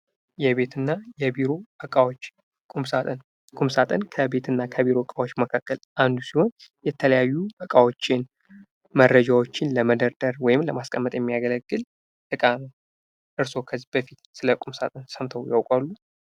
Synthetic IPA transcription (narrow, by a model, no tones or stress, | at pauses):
jɛβe̞t̪ʰɨnːajɛbiɾo̞əkʼawot͡ʃː | kʼumsat̪ʼən | kʼumsat̪ʼənkʰəbe̞t̪ɨnːakʰəβiɾo̞əkʼawo̞t͡ʃːməkʰakːəlʔand̪usiho̞njɛt̪ʰələjajːubəkʼawo̞t͡ʃːɪn | mərːəd͡ʒawo̞t͡ʃːɪnləməd̪əɾd̪əɾwɔjɪmləmaskʼəmːət̪ʼjɛmːijaɡələɡːɨl | t̪ʼɨkʼanəw | ʔɨɾso̞kʰəzːibəfit̪sɨləkʼumsa̰t̪ʼənsəmt̪ʰəwjawkʼalːu